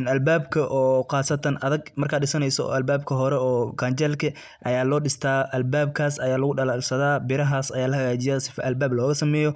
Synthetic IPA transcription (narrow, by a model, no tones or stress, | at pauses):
nɐlbaːbkʰɐʔɔːqɑːsɐt̪ʰɐnɐðɐɡmɐrkʰaːɗɪsɐnɛjsɔ̰ɐlbaːbkʰɐɦɔɾɛɔːkʰaːnt͡ʃɐlkʰɐ | ʔɐjaːlɔːɗɪst̪ʰaːʔɐlbaːb̚kʰaːsɐjaːlɐɣʊɗɐlalsɐðaːbɪɾɐɦaːsɐjaːlɐhɐɣaːt͡ʃɪjɐːsɪ̥fʔɐlbaːblɔːɣɐsɐmɛːjɔ